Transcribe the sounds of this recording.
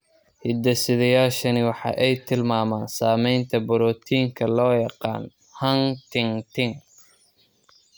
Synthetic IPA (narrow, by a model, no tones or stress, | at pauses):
hɪd̪ɐsɪðɐjaːʃɐnɪwɑħɑ̰ːʔɛjt̪ʰɪlmaːmaːnsaːmɛjnt̪ʰɐbɔɾɔt̪ʰiːŋkʰɐlɔːjɑqɑ̰ːn | hɐŋt̪ʰɪŋt̪ʰɪŋ